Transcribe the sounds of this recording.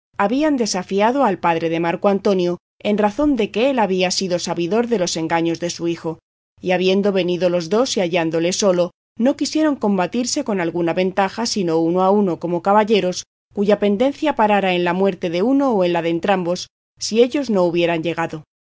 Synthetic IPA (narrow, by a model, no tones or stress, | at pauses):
aβiand̪e̞safiaðo̞alpaðɾe̞ðe̞maɾkoant̪o̞njo̞ | e̞nraθo̞nd̪e̞ke̞e̞laβiasiðo̞saβiðo̞ɾðe̞lo̞se̞ŋɡaɲo̞zðe̞suixo̞ | iaβ̞je̞nd̪o̞βe̞niðo̞lo̞zðo̞siaʝand̪o̞le̞so̞lo̞ | no̞kisje̞ɾo̞ŋko̞mbat̪iɾse̞ko̞nalɣunaβe̞nt̪axasino̞unoauno̞ko̞mo̞kaβaʎe̞ɾo̞s | kuʝape̞nd̪e̞n̟θjapaɾaɾae̞nlamwe̞ɾt̪e̞ðe̞uno̞ːe̞nlaðe̞nt̪ɾambo̞sː | ie̞ʎo̞zno̞uβ̞je̞ɾaɲɟe̞ɣ̞aðo